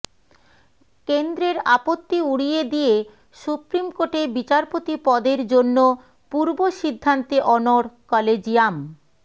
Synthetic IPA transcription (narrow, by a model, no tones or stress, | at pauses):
kend̪ɾeɾapot̪ːiuɽijed̪ije | ʃupɾimkoʈeɾbit͡ɕaɾpot̪ipɔd̪eɾd͡ʑonːo | puɾboʃid̪ʱːant̪eʔɔnoɽkɔled͡ʑijam